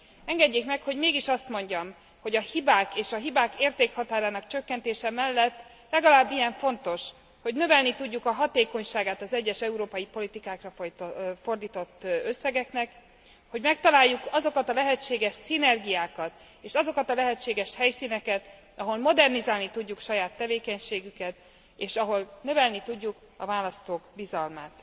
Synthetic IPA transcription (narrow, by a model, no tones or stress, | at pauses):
ɛŋɡɛɟːeːkmɛkho̞ɟmeːɡiʃɒst̪mo̞ɲɟɒm | ho̞ɟɒhibaːkeːʃɒɦibaːkeːrt̪eːkhɒt̪aːɾaːnɒkt͡ʃøkːɛnt̪eːʃɛmɛlːɛt̪ː | lɛɡɒlaːbːijɛɱfo̞nt̪o̞ʃ | ho̞ɟnø̞vɛlnit̪uɟːukɒɦɒt̪eːko̞ɲʃaːɡaːt̪ɒzɛɟːɛʃɛuɾoːpɒjipo̞lit̪ikaːkrɒfo̞rd̪iːt̪o̞t̪ːø̞sːɛɡɛknɛk | ho̞ɟmɛk̚t̪ɒlaːjːukɒzo̞kɒt̪ɒlɛɦɛt͡ʃːeːɡɛʃsinɛrɡijaːkɒt̪ | eːʃɒzo̞kɒt̪ɒlɛɦɛt͡ʃːeːɡɛʃhɛjsiːnɛkɛt̪ | ɒɦo̞lmo̞d̪ɛrnizaːlnit̪uɟːukʃɒjaːt̪ːɛveːkɛɲʃeːɡykɛt̪ | eːʃɒɦo̞lnø̞vɛlnit̪uɟːuk | ɒ̰vaːlɒst̪oːɡbizɒlmaːt̪